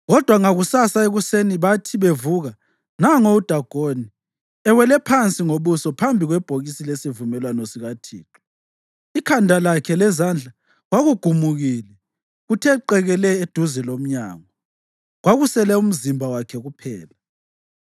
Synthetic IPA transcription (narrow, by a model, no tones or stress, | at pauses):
ɣɔd̥ʱwaŋaɣusasaeɣuseniβatʰiβevuɣa | naŋoud̥ʱaɡ̥ʱoni | ɛwɛlɛpʰant͡sʼiŋoβusɔpʰambʱiɣwɛb̥ʱoɣisilesivumɛlwanɔsiɣatʰḭːtʰu̥ | ikʰandʱalakʰɛlɛzand͡ɮʱa | ɣwaɣuɡ̥ʱumuɣilɛ | ɣutʰɛǃɛɣɛlɛed̥ʱuzɛlom̩ɲa̰ːŋɔ | ɣwaɣusɛlɛum̩zimbʱawakʰɛɣupʰɛːla